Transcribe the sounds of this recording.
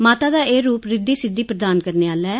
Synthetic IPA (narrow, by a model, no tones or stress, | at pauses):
maːt̪aːd̪aːʔeːɾuːpɾɪd̪ːiːsɪd̪ːiːpɾəd̪aːnkəɾneːaːlɛː